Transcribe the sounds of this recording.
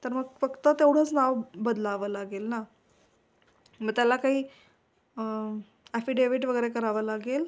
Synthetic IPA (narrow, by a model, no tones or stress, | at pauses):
t̪əɾməɡfəkt̪ət̪ewɽ̤əːt͡snaʋbəd̪laʋəːlaɡelna | məɡ̚t̪jalakaɦiː | æfiːɖeʋiʈʋəɡəjɾekəɾaʋəːlaɡel